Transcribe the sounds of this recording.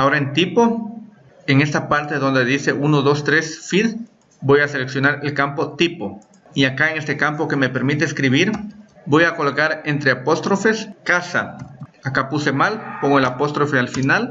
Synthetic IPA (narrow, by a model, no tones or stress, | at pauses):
ao̞ɾaent̪ipo | eŋe̞st̪apaɾt̪eðo̞nd̪e̞ðise̞ʔunoðo̞st̪ɾesfið | bo̞jase̞leksjonaɾelkampo̞t̪ipo | iakaeŋe̞st̪ekampo̞ke̞me̞pe̞ɾmit̪eːskɾiβiɾbo̞jako̞lokaɾent̪ɾeapo̞st̪ɾo̞fe̞skasa̰akapuse̞malpoŋɡoelapo̞st̪ɾo̞fealfinal